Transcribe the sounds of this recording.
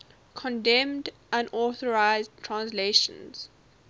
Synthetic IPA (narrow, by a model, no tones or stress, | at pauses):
kʰɔ̃ndɛ̃md | ʔãnɔθəɹaɪzdtʰɹãnsleʃə̰̃nz̥